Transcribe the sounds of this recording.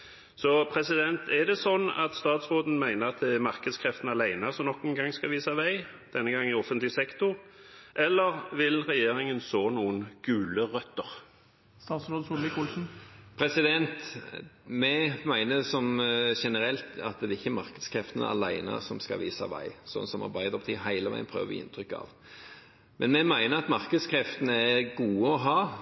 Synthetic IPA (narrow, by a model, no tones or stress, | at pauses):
sɔpʰɾɛsɪd̪ɛnt̪ʰɛd̪ɛsɔnːɑ̰t̪st̪ɑːt̪sʁoːd̪n̩mæɪnəɾɑt̪̚d̪ɛæɾmɑɾkəd̪skʰʁɛft̪n̩ɑlæɪnəsɔmnɔkːʊnɡɑŋskɑʋiːsɑʋæɪd̪̥ɛnːəɡɑŋːɪɔfːənt̪lɪsɛkt̪ʊɾʔɛlːəɾʋɪlʁɛjeːɾɪŋənsoːnuːənɡ̥ʉːləʁœt̪ːəʁ | st̪ɑːt̪sɾoːd̪sulɪkulsn̩pʰɾɛsɪd̪ɛnt̪ | mɛmæɪnəsɔmʃɛnəɾɛlt̪ɑt̪̚d̪ɛːɾɪçːəmɑɾkəd̪skʰɾɛft̪ənə̰ɑ̰læɪnə̰sɔmskɑ̰ʋiːsɑ̰ʋæ̰ɪsɔnːsɔmɑ̰ɾbɑɪd̪ɾɔpt̪ʰiːɦæɪləʋæ̰ɪənpʰɾøːʋ̰ːɪ̰nt̪ʰɾʏkːɑ̰ʋ | mɛnmɛmæɪnəɾɑt̪mɑʁkəd̪skʰɾɛft̪ənəæɾɡuːəɔɦɑː